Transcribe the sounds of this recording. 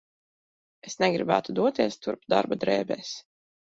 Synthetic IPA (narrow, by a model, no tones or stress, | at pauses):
esnɛɡɾibæ̰ːt̪ud̪uɔt̪iɛst̪uɾpd̪a̰ɾbad̪ɾɛːbɛːs